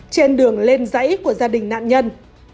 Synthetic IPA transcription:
t͡ɕe˧nɗɨ˨˩əŋle˧nzə̰˧˥jku˧˩əzaː˧ɗï˨˩ŋ̟na̰ː˧˨nɲə˧n

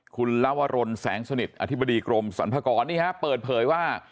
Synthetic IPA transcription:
kʰu˧nla˦˥˩wa˧ɾo˧nsɛ̰ː˩˦ŋsa˧ni˨˩t̪̚ʔa̰˧t̪ʰba˧diː˧kɾo˧msa̰˩˦npʰa˧kɔː˧nːiː˥˩kʰa˦˥pɤː˨˩t̪̚pʰɤː˩˦jwaː˥˩

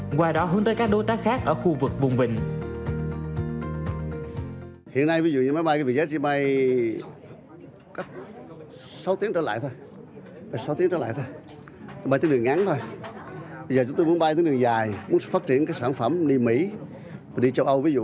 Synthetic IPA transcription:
ɣwaː˨˩jɗɔ˨˦ɦəː˧˦nt̪əː˨˦kaː˦˥k̚ɗo˨˦t̪aː˦˥kxaː˦˥k̚ʔəː˧˩xu˧vɨ˨˩k̚vʊ˨˩ŋ͡mvï˨˩ŋ̟ | hḭ˧˨ənːa˧jvi˨˦zṵ˧˨ɲɨ˧˩ma˨˦jɓa˧jka˨˦˩vi˧˨˩zə˦˥t̚t͡ɕi˧ma˧j | ka˦˥k̚ | sa˨˦wt̪i˨˦ət͡ɕəː˧˩la̰ː˧˨jt̪ʰo˧j | vaː˨˩sa˨˦wt̪i˨˦əŋt͡ɕəː˧la̰ː˧˨jt̪ʰo˧j̪ | ə˨˦ma˧jt̪nɗɨ˨˩əŋa˨˦nt̪ʰo˧j | ɓə˧zəː˨˩t͡ɕʊ˨˦ŋ͡mt̪o˧mu˨˦ənɓa˧jt̪i˨˦ŋɗɨ˨˩əzaː˨˩jm˨˦ən˧˥˩faː˦˥t̚t͡ɕi˧˩ənkaː˨˥jksaː˧˩nfə˧˩mɗi˧mḭ˧˥ | vaː˨˩ɗi˧t͡ɕə˧wʔə˧wvi˨˦zṵ˧˨

